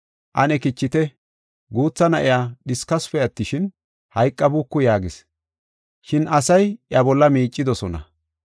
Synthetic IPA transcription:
ʔɐnɛkɪt͡ʃːɪt̪ɛ | ɡuːt͡sːɐnɐʔɪjaːɗɪskɐsfɛjɐt̪ːɪʃɪn | hɐjkʼːɐbukːʊjaːɡɪs | ʃɪnʔɐsɐjjɐbɔlːɐmiːt͡ʃʼːɪd̪ɔsɔnɐ̰

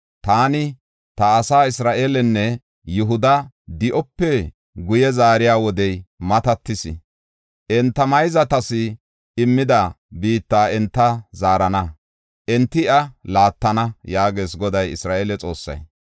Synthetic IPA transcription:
t̪aːnɪ | t̪ɐːsaːɪsɾaːʔeːlɛnːɛ | jʊɦʊd̪ɐ | d̪ɪʔɔpːɛ | ɡʊjɛzaːɾɪjaːwɔd̪ɛjmɐt̪ɐt̪ːɪsɪ̰ | ʔɛnt̪ːɐmɐjzɐt̪ɐsɪ | ɪmːɪd̪ɐ | biːt̪ːaːɛnt̪ːɐzaːɾɐnɐ | ʔɛnt̪ːɪʔɐlaːt̪ːɐnɐjaːɡeːsɡɔd̪ɐjɪsɾaːʔeːlɛt͡sʼo̞ːsːɐ̰j

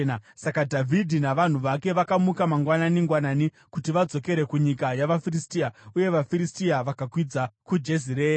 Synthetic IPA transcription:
asakadʱavʱidʱinaʋan̤uʋake̞ʋakamukamaŋɡwananiŋɡwanani | kutiʋad͡zo̞ke̞ɾe̞kuɲikajaʋafiristiauje̞ʋafiɾistiaʋakakwid͡zakud͡ʒeziɾeːa

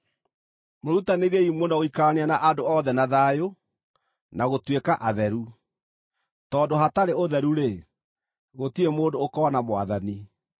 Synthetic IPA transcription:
moɾutaneɾeimwonɔɣoikaneanaʔadoɔðɛnaðajo | naɣotwekaʔaðɛɾu | tɔːndoɦataɾeoðɛɾuɾe | ɣotiemoːndoːkɔnamwaðani

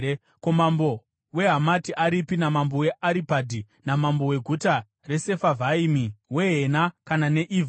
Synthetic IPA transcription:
komambo̞ | we̞ɦamatiʔaɾipinamambowe̞ʔaɾipadʱi | namambo̞we̞ɡʱuta | re̞se̞favʱaimiwe̞ɦenakanane̞ʔiv

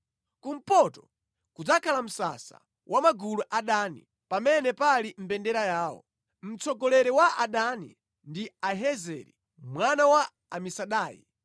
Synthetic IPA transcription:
kum̩pɔtɔ | kud͡zakʰalam̩sa̰sa̰ | wʔamaɡuluʔaɗanḭ | pamɛnɛpalim̩bɛndɛɾajaːwɔ̰ | m̩t͡sɔɡɔlɛɾɛwaaɗanḭ | ndiaɦɛzɛ̰ɾi | mwanawa | amisaɗaːjḭ

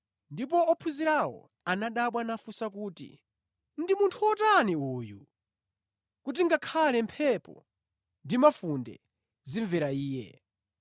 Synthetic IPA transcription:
ndip̬ɔɔpʰuziɾawɔ̰ | anaɗaɓwanafusakuːtḭ | ndimuntʰuɔtaniuːjṵ | kut̬iŋɡakʰalɛmpʰɛpɔ̰ | ndimafundɛ̰ | ziɱvɛɾaiːjɛ̰

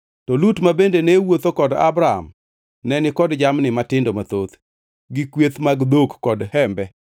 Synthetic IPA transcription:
tɔlutmabendenewot̪okɔda̰bɾaa̰m | nɛnɪkɔdd͡ʒamnɪmatɪndomat̪ot̪ | ɡɪkwet̪maɡd̪okːɔdhɛmbɛ

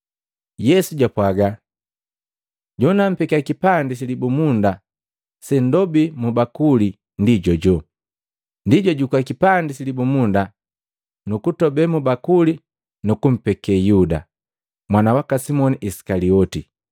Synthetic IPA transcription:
jɛsuɟwapwaɡa | ɟɔnam̩pɛkakipandisilibumunda | sɛndɔbimubakuli | ndiɟɔɟɔ | ndiɟɔɟukwakipandisilibumunda | nukutɔbɛmubakuli | nukum̩pɛkɛjuda̰ | mwanawakasimɔniʔisi̥kaliɔti

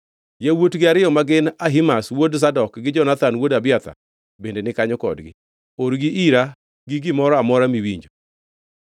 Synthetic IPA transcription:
jawotɡɪaɾɪjɔmaɡɪnaɦimaswods̬adɔkɡɪd͡ʒɔnat̪anwodabɪat̪a̰ | bendenɪkaɲɔkɔ̰dɡɪ̰ | oɾɡɪʔiɾa | ɡɪɡɪmɔɾɔamɔɾamiwiɲd͡ʒo

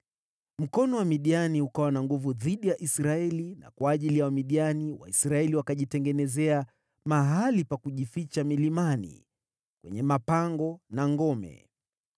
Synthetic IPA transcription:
m̩kɔnɔwamiɗianiukawanaŋɡuvuðiɗijaʔisɾaɛlina̰kwaːʄilijawamiɗianiwa̰isɾaɛliwakaʄitɛŋɡɛnɛzɛa | maɦalipakuʄifit͡ʃamilimanḭ | kwɛ̰ɲɛmapaŋɡɔnaŋɡɔmɛ̰

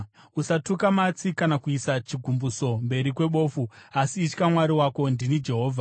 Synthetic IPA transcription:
usatukamat͡sikanakuisat͡ʃiɡʱumbuso̞mbe̞ɾikwe̞ɓo̞ːfuasiːt͡ʃkamwaɾiwako̞ndinid͡ʒe̞ɦo̞ːvʱa

